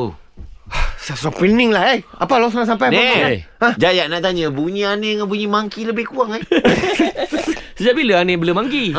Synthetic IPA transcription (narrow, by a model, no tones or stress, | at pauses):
asasɔpɾinɪŋlahaja̰palas̬aŋaʔs̬ampajanaeaaãd͡ʒajaʔnaʔt̪aɲə̃buɲĩaneŋãnbuɲĩmaŋkiləbɪhkuaŋa | səd͡ʒaʔ̚biləanebələmaŋɡi